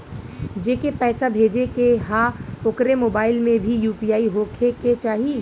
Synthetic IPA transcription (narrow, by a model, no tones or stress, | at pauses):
d͡ʒeːkepɛːsabʱeːd͡ʒekeɦãʊkɾemoːbaːɪlmẽbʱijuːpijaːiɦokʰeket͡ʃaːɦie